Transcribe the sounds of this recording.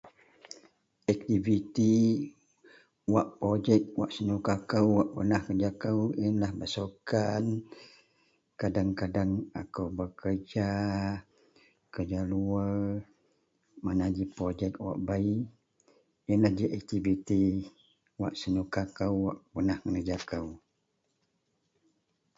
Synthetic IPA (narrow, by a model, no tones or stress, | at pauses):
ɛk̚t̪ivit̪i | waʔpɾod͡ʒɛk̚waʔsənukakəwwaʔpənahkəd͡ʒakəwinlahbəsokan | kadaŋkadaŋa̰kawbəkərd͡ʒa | kəd͡ʒaluə | manad͡ʒipɾod͡ʒɛk̚wa̰ʔbai | inlahd͡ʒiʔɛk̚t̪ibit̪i | waʔsənukakəwːaʔpənahkənəd͡ʒakəw